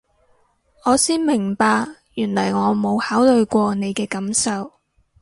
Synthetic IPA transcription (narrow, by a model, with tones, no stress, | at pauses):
ŋɔː˨˧siː˥nmɪ˨˩ŋpaː˧kjyː˨˩nlɐ˨˩jŋɔː˨˧mo˨˧whaː˨˥wlɵ˧ɥkʷɔː˧ne˨˧jkɛː˧kɐ˨˥msɐ˨w